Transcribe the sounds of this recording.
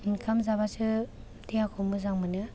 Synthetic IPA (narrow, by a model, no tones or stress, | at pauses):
inkʰamzabasɯ | tijakʰɔmɯzaŋmɯnɯ